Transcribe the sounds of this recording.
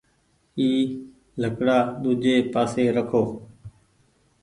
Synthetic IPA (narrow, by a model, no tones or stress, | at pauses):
iː | ləkɽaːɗ̪uːd͡ʒeːpaːseːɾəkʰoː